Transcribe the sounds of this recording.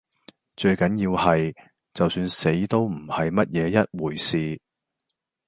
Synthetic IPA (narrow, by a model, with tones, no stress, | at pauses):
t͡ʃɵ˧ɥkɐ˨˥nji˧whɐ˨j | t͡sɐ˨wsyː˧nse˨˥jt̪o˥wm̩˨˩hɐ˨jmɐ˥t̚jɛː˨˧jɐ˥t̚wuː˨˩jsiː˨